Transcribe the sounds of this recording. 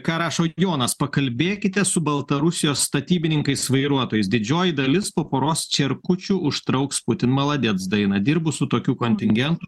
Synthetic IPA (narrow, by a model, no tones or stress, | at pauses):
kɑːɾɑːʃoːjoːnɐspɐkɐlʲbʲeːkʲɪt̪ʲɛsʊbɐlˠt̪ɐɾʊsʲɪjoːsst̪ɐt̪ʲiːbʲɪnʲɪŋkɐɪsʋɐɪɾuɔt̪oːjɛɪsd̪ʲɪd͡ʒʲoːjɪd̪ɐlʲɪspoːpoːɾoːst͡ʃʲɛɾkʊt͡ʃʲʊʊʃt̪ɾɒʊkspʊt̪ʲɪnmɐlˠɐd̪ʲɛːt̪sd̪ɐɪnɐd̪ʲɪɾbʊsʊt̪oːkʲuːkonʲt̪ʲɪŋʲɡʲɛnt̪ʊ